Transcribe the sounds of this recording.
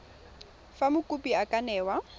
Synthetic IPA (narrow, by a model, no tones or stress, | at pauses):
famʊkʼʊpʼiakʼanɛːwa